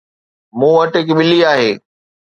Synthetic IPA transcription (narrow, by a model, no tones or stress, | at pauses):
mũːʋɐʈɪkɓɪliaːɦeː